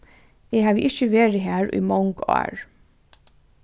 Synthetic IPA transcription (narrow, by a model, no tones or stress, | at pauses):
eːhɑːʋ̰ʔɪçəʋeːɹɪɦæːɹʔḭːmɑŋɡɑ̰ːɹ